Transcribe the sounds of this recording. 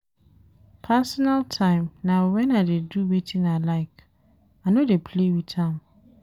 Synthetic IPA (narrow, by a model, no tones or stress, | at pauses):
pʰasɔnaltʰãɪ̃mnawɛ̃naɪdeduwetʰĩnaɪlaɪk | anodepʰlewitʰãm